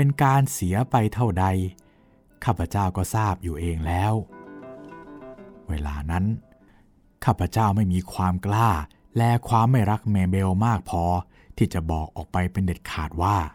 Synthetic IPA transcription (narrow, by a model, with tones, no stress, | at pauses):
pe˧nkaː˧nsi˩˦ɐpa˧jt̪ʰa˥˩wda˧j | kʰaː˥˩pʰːa˧t͡ɕaː˥˩wkɔː˥˩saː˥˩p̚juː˨˩ʔeː˧ŋlɛː˦˥w | weː˧˩la̰ː˧na˦˥n | kʰaː˥˩pʰa˧t͡ɕaː˥˩wma˥˩jmiː˧kʰwaː˧mklaː˥˩ | lɛː˧˩kʰwaː˧mːa˥˩jɾa˦˥k̚mɛː˧be˧wmaː˥˩k̚pʰɔː˧ | t̪ʰiː˥˩t͡ɕa˨˩bɔː˨˩k̚ʔɔː˨˩k̚pa˧jpe˧nde˨˩t̪̚kʰaː˨˩t̪̚waː˥˩